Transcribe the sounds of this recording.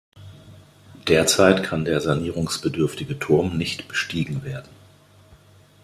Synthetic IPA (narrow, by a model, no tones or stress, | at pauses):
d̥eːɐt͡saɪtkʰandeːɐzaniːʁ̞ʊŋsb̥ədʏɐftɪɡətʰʊɐmnɪçtb̥ə̥ʃtiːɡŋ̩veːɐdn̩